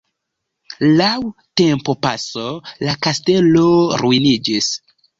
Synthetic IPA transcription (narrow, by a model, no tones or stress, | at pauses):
lawte̞mpo̞pasolakaste̞lo̞ɾuinid͡ʒis